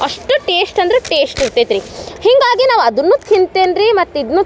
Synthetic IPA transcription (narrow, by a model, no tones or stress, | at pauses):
ɐʂʈuʈeːsʈɐnd̪ɾeʈeːsʈiɾt̪eːt̪ɾihiŋɡaːɡinaːʋɐd̪ɐnːut̪ʰint̪eːnɾimɐt̪ːid̪nːuː